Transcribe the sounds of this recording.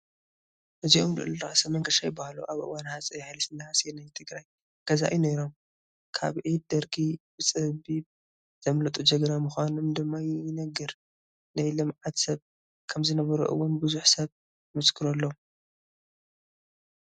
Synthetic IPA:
hɨziomlɨ̰ʔlɨɾaʔsɐmɐŋkʰɐʃajbahaluʔaβʔɨ̰wanhasʼɐjhajlɐsɨnːaasɛnajt̪ʰɨɡɾaj | ɡ̥ɐza̰ʔineɾo̞m | kʰa̰βʕid̪ɐɾkʰibɨt͡sʼɨbib | z̥ɐmlɐt̪ʼud͡ʒɐɡɾamɨxʷanumd̪ɨmːajɪɪnɐɡɨɾ | najlɨmʕat̪sɐβ | kʰɐmzɨnɐβɐɾṵʔɨ̰wːʊnbɨzuħsɐβ | mɐskʰɨɾɐlːo

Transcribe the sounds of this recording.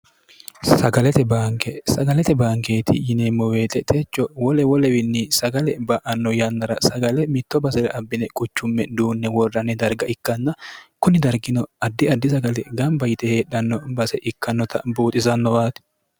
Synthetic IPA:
sɐɡɐlɛt̪ɛbaːŋkɛsɐɡɐlɛt̪ɛbaːŋkeːt̪ʰɪjɪneːmːɔweːt̪ʼɛt̪ʰeːt͡ʃːɔwɔlɛwɔlɛwɪnːisɐɡɐlɛbɐʔɐnːɔjɐnːɐɾɐsɐɡɐlɛmɪt̪ːɔbɐsɛɾɛʔɐbːɪnɛkʼʊt͡ʃːʊmːɛd̪uːnːɛwɔrːɐnɛd̪ɐɾɡɐʔɪkːɐnːɐkʊnɪd̪ɐɾɡɪnɔɐd̪ːɪɐd̪ːɪsɐɡɐlɛɡɐmbɐjɪt̪ɛheːɗɐnːɔbɐsɛʔɪkːɐnːɔt̪ʰɐ̰buːt̪ʼɪzɐnːɔwaːt̪ɛ̥

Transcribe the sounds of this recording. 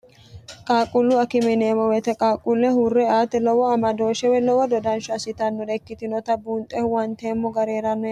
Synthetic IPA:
kʼaːkʼʊlːʊɐkɪmɛnemɔwɛt̪ɛkʼaːkʼʊlːɛhurːɛaːt̪ːɛlɔwɔɐmɐd̪oːʃɛwɛlɔwɔd̪ɔd̪ɐnʃʊɐsɪt̪ɐnːɔd̪ɛkːɪt̪ɪnɔt̪ɐbuːnt̪ʼːɛhʊwɐnt̪eːmːɔɡɐɾeːɾɐnːɔ

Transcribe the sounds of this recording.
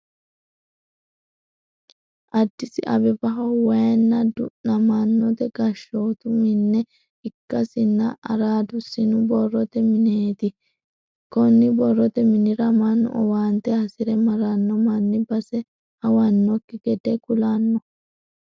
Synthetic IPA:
ʔɐd̪ːɪsɪʔɐ̰bɛbɐɦɐwaɛnːɐd̪ʊnːɐmanːɔt̪ɛɡɐʃːoːt̪ʊmɪnːɛ | ɪkːɐsɪnːɐɐ̰ɾaːd̪ʊsɪnʊbɔrːɔt̪ɛmɪneːt̪ɪ | kɔnːɪbɔrːɔt̪ɛmɪnɪɾɐmanːɔ̰ʔɔwaːnt̪ɛhɐsɪɾɛmɐɾɐnːɔmɐnːɪbɐsɛ | hɐwɐnːɔkːɪɡɛd̪ɛkʊlanːɔ

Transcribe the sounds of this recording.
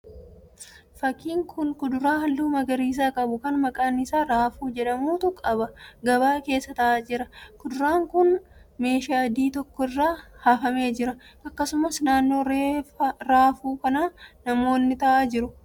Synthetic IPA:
fɐkːiːŋkʰʊnkʊd̪ʊɾaːhɐlːuːmɐɡɐɾiːs̬aːkʼɐbʊkɐnmɐkʼaːnːɪsaːɾaːfuːd͡ʒɛᶑɐmuːt̪ʊkʼɐbɐɡɐbaːke̞ːsːɐt̪ɐʔaːd͡ʒɪɾɐkʊd̪ʊɾaːŋkʊnme̞ːʃaːd̪iːt̪ɔkːɔɪrːaːhaːfɐme̞ːd͡ʒɪɾɐɐkːɐsʊmɐsnaːnːo̞ːɾeːfɐɾaːfuːkɐnaːnɐmo̞ːnːɪt̪ɐʔaːd͡ʒɪɾʊ

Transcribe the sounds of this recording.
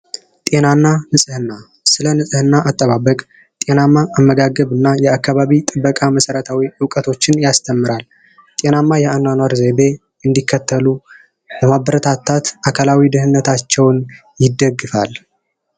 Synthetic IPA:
t̪ʼe̞nanːanɨsʼɨhɨnːa | sɨlənɨsʼɨhɨnːaʔat̪ʼːəβaβəkʼ | t̪ʼe̞namːaʔːmːəɡaɡəβɨnːajɛakːaβaβit̪ʼɨbːəkʼaməsəɾət̪ʰawiʔɨwkʼət̪ʰo̞t͡ʃːɪnjast̪ʰəmːɨɾal | t̪ʼe̞namːajɛananwaɾze̞be̞ | ɨnd̪ikʰːət̪ʰːəlu | bəmabəɾət̪ʰat̪ʰːat̪akʰalawid̪ɨhɨnːət̪ʰat͡ʃːɛwn | jɪd̪ːəɡɨfa̰l

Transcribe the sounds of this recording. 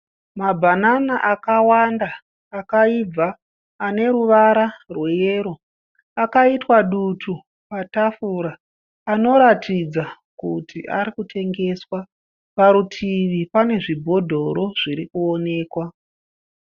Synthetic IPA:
mabʱananaʔakawandaː | kaib͡vaː | ne̞ɾuʋaɾarwejeːɾo̞ | akaitwaɗutʰu | patafuɾaː | no̞ɾatʰid͡za | kutʰiʔa̰ɾikutʰe̞ŋɡe̞swa | paɾutʰiʋipane̞ʐibʱo̞dʱo̞ɾo̞ʐ̥iɾikuo̞ne̞ːkwa

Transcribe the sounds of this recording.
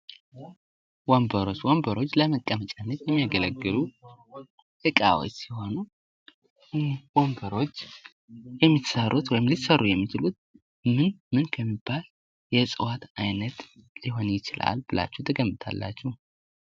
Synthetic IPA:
wombəɾo̞t͡ʃːwombəɾo̞t͡ʃːləməkʼːəmət͡ʃʼanːət̪jɛmːijaɡələɡːɨlu | ʔɨkʼa̰wo̰t͡ʃːsiho̞nu | wombəɾo̞t͡ʃː | jɛmːit̪sərʔut̪wɔjɪmlit̪sərːujɛmːit͡ʃɪlut̪̚ | mɨnmɨnkʰəmːibːal | jɛsʼɨwat̪ajnət̪liɦo̞njɪt͡ʃɪla̰lb̥ɨla̰t͡ʃːɛwt̪ʰəɡəmbɨt̪ʰa̰lːa̰t͡ʃːɛh

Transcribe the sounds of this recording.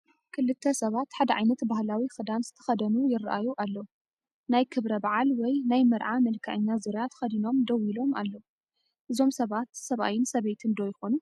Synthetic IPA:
kʰɨlɨt̪ʰːɐsɐβat̪ħad̪ɐʕajnɐt̪bahlawixɨd̪anzɨt̪ʰɐ̥xɐd̪ɐnujɪrʔajuʔalːo | najkʰɨβɾɐbaʕalwɔjnajmɨɾʕamɐlkʰaʕɨɲːazɨɾjat̪ʰxɐd̪ino̞md̪ɐwilo̞ma̰lːo | ʔɨzo̞msɐβat̪sɐβa̰jɪnsɐβet̪ʰɨnd̪ojɪxo̞nu

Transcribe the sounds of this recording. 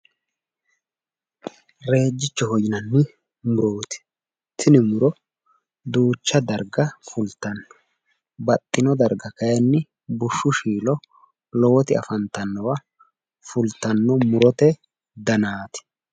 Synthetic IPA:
ɾe̞ːd͡ʒːɪt͡ʃːɔhɔjɪnɐnːɪ | mʊɾoːt̪ɪ̥ | t̪ʰɪnɪmʊɾɔ | d̪uːt͡ʃːɐd̪ɐɾɡɐfʊlt̪ɐnːɔ̥ | bɐt̪ʼːɪnɔd̪ɐɾɡɐkɐjɐnːɪ | bʊʃːʊʃiːlɔ | lɔwɔt̪ɪɐ̰fɐnt̪ɐnːɔwa | fʊlt̪ɐnːɔmʊɾɔt̪ɛ | d̪ɐnaːt̪ɪ̥

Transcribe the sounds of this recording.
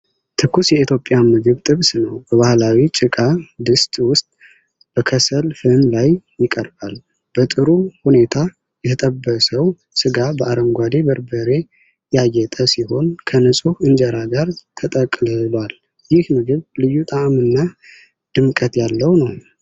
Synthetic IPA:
t̪ʰɨkːusjɛit̪ʰjo̞pʼːjamɨɡɨβt̪ʼɨβsnəwbəβahlawit͡ʃʼɨkʼad̪ɨst̪ʼwʊst̪ʼ | b̥əkʰəsəlfɨnlajjɪkʼəɾbal | b̥ət̪ʼɨɾuhune̞t̪ʰa | jɛt̪ʰət̪ʼəbːəsəw | sɨɡabəʔaɾəmɡʷad̪e̞bəɾbəɾe̞ | jajːɛt̪ʼəsiho̞nkʰənɨsʼuhɨnd͡ʒəɾaɡaɾt̪ʰət̪ʼəkʼlɨlwal | jɪhmɨɡɨβlɨjːut̪ʼamɨnːa | d̪̥ɨmkʼət̪jalːəwnəw

